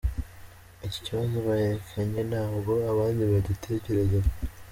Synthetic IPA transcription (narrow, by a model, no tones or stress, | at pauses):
ici̥ciβazo̞βahefaɲe̞naːbɡo̞aβaːndiβadutʰe̞ːce̞ɾe̞za